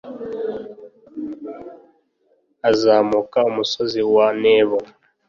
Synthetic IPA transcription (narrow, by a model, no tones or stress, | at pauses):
azaːmukaumusoziwaneːβo